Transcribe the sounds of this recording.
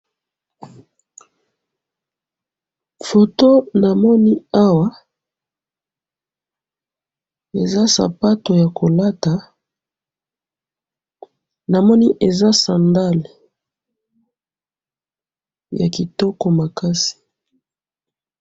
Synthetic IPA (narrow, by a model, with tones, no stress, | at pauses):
fo˨to˦na˨mɔ˦ni˦a˦wa˦ | e˨za˦sa̰˨pa˦to˨ja˨ko˨la˦ta˨ | na˨mɔ˦ni˦ʔe˨za˦sa˨nda˦l | ja̰˨ki˨tɔ˦kɔ˨ma˨ka˦si̥˨